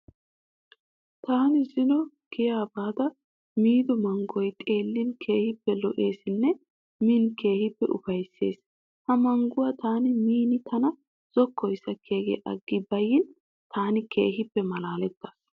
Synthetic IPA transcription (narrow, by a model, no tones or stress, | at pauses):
t̪aːnɪzɪnɔ | ɡ̥ɪjaːbaːd̪ɐ | miːd̪ɔmɐŋɡɔjt̪ʼe̞ːlːɪnkʰe̞ːhɪpːɛlɔʔeːsɪnːɛ | miːnke̞ːhɪpːɛʔʊfɐjsːe̞̰ːs | hɐmɐŋɡʊwat̪aːnɪmiːnɪt̪ʰɐnɐ | z̥ɔkːɔjsɐkʰeːɡɛ̰ʔɐ̰ɡːɪbɐjɪn | t̪ʰaːnɪke̞̰ːɦɪpːɛmɐlaːlɛt̪ːas